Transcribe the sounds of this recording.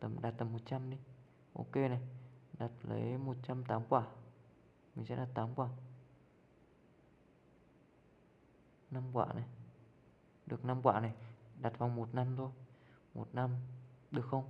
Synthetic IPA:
t̪ə˨˩mɗaː˨˩t̚t̪ə˨˩mːo˨˩t̚t͡ɕa˧mɗi˧ | ʔo̰˧ke˧na˨˩jɗa˨˩t̚lə̰˨˦jmo˨˩t̚t͡ɕa˧mt̪aː˨˦mkwaː˧˩ | mï˨˩ŋsɛ̰˧˥ɗaː˨˩t̚t̪aː˨˦mkwaː˧˩ | na˧mkwa̰ː˧˨na˨˩j | ɗɨ˨˩ək̚na˧mkwa̰ː˧˨˩na˨˩jɗa˨˩t̚va˨˧˩wŋ͡mmo˨˩t̚na˧mt̪ʰo˧jmo̰˨˩t̚na˧mɗɨ˨˩əkxə˧wŋ͡m

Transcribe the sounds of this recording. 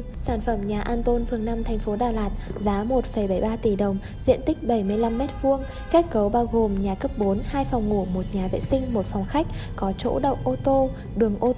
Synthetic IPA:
saː˧˩nfə˧˩mɲaː˨˩ʔaː˧nt̪o˧nfɨ˨˩əŋnaː˧mt̪ʰjŋ̟fo˨˦ɗaː˨˩laː˨˩t̚zaː˨˦mo˨˩t̚fə˧˩jɓə˧˩jɓaː˧t̪i˧˩ɗə˨˩wŋ͡m | zḭ˧˨ənt̪ï˦˥k̟̚ɓə˧˩jmɨ˧əjla˧mːɛ˦˥t̚vu˧əŋ | xɛ˦˥t̚kə˨˦wɓaː˧wɣo˨˩mɲaː˨˩kə˦˥p̚ɓo˨˦nhaː˧jfa˨˩wŋ͡mŋu˧˩mo˨˩t̚ɲaː˨˩vḛ˧˨sï˧ŋ̟mo˨˩t̚fɔ˨˩wŋ͡mxa˦˥k̚kɔ˨˦t͡ɕo̰˧˥ɗə̰˧˨wʔo˧t̪o˧ | ɗɨ˨˩əŋʔo˧

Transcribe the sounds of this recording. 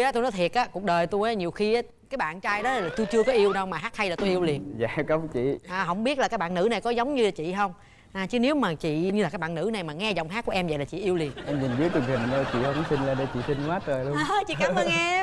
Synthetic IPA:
jʔɔ˨˦t̪o˧nɔ˨˦jt̪ʰi˨˩ət̚ʔaː˨˦ku˨˩ək̚ɗəː˨˩jt̪u˧ja˨˦ɲ˨˩əwxi˧ʔaː˨˦ | kaː˨˦jɓa̰ː˧˨nt͡ɕaː˧jɗɔ˨˦a˨laː˨˩t̪u˧jt͡ɕɨ˧əkɔ˨˦ʔi˧əwɗə˧wmaː˨˩ɦaː˦˥t̚hʰa˧jlaː˨˩t̪o˧jʔi˧əwli˨˩ənza̰ː˧˨kə˨˦t͡ɕḭ˧˨ʔaː˨˩ɦə̰˧˥wŋ͡mɓi˦˥ət̚la˨˩kaː˦˥k̚ɓaː˧˨nːɨ̰˧˥na˨˩jkɔ˨˦zə˨˦wŋ͡mɲɨ˧laː˨˩t͡ɕḭ˧˨ɦə˧wŋ͡m | ʔaː˨˩t͡ɕɨ˨˦ne˨˦wmaː˨˩t͡ɕḭ˧˨˧ɲɨ˧a˨˩kːaː˦˥kɓa̰ː˧˨nɨ̰˧˥na˨˩jmaː˨˩ŋɛ˧zɔ˨˩wŋ͡mɦaː˦˥kːu˧˩əʔɛ˧mzə̰˧˨la˨˩t͡ɕḭ˧˨ʔi˧əwli˨˩ənʔɛ˧mɲi˨˩nzi˨˦˥t̪ɨ˨˩ŋt̪ʰi˨˩m˨˩nə˧˩˦t͡ɕḭ˧˨hə˧wsi˧nlaː˧˩ɗe˧˦t͡ɕḭ˧˨t̪ʰi˧nkwaː˦˥t̚əː˨˩jlu˧ə˨t͡ɕḭ˧˨kaː˨˦məː˨˦jŋɛɛ˧

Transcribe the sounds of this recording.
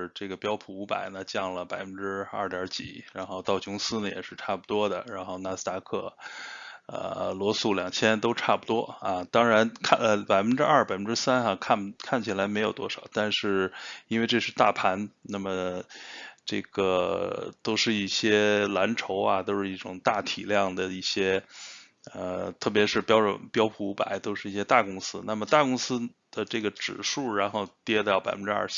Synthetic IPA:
ʈ͡ʂɤ˥˩ɡə˩pjɑ˥ʊpʰu˧˥˩u˧˥pa̰˨˩ɪnə˩t͡ɕjɑ˥˩ŋlə˩pa˨˩ɪfə˧˦nʈ͡ʂɻ̩˥ɐ̰˥˩t̪jɑ˧˥t͡ɕḭ˨˩˦ɻa˧˥nxo˥˧ʊt̪ɑ˥˩ʊt͡ɕʰʊ˧˥ŋsɹ̩˥nə˨jɛ̰˨˩ʂɻ̩˥˧ʈ͡ʂʰa˥˩pu˩t̪wɔ˥d̪ə̰˨ɻa˧˥nxo˥˧ʊna˥˧˩s̩˥t̪a˥kʰɤ˥˩ | ə̰˧˩lwɔ˧˥su˥˩ljɑ˨˩ŋt͡ɕʰjɛ˥nt̪o˥ʊʈ͡ʂʰa˥˩pu˧˩t̪wɔ˥a˧t̪ɑ˥ŋɻa˧˥nkʰpa˨˩ɪfə˦nʈ͡ʂɻ̩˥ɐ˞˥˩pa˨˩ɪfə˦nʈ͡ʂɻ̩˥sa˥na˨˧kʰa˥˩nkʰa˥˩nt͡ɕʰi˨˩la˧˥ɪme˧˥ɪjo˨˩ʊt̪wɔ˥ʂɑ˨˩˦ʊt̪a˥˧nʂɻ̩˥˩i˥nwe˥˧ɪʈ͡ʂɤ˥˧ʂɻ̩˥˧t̪a˥˩pʰa˧˥nna˥˩mə˩ | ʈ͡ʂɤ˥˩ɡ̥ə˩t̪o˥ʊʂɻ̩˥˧i˥˩ɕjɛ˥la˧˥nʈ͡ʂʰo˧˥ʊa̰˧t̪o˥ʊʂɻ̩˥˧i˥˩ʈ͡ʂʊ˨˩ŋt̪a˥˩t̪ʰi˨˩ljɑ˥˩ŋd̪ə˩i˥˩ɕjɛ˥ | ə˧t̪ʰɤ˥˩pjɛ˧˥ʂɻ̩˥˩pjɑ˥ʊʈ͡ʂʊ̰˨˩˦npjɑ˥ʊpʰu˧˥pa̰˨˩˦ɪt̪o˥ʊʂɻ̩˥˧i˥˩ɕjɛ˥t̪a˥˩kʊ˥ŋsɹ̩˥na˥˩mə˩t̪a˥˩kʊ˥ŋsɹ̩˥ | d̪̥ə˧ʈ͡ʂɤ˥˩ɡə˩ʈ͡ʂɻ̩˨˩ʂu˥˩ɻa˧˥nxo˥˧ʊt̪jɛ˥t̪ɑ˥˩pa˨˩ɪfə˦nʈ͡ʂɻ̩˥ɐ̰˥˩˥

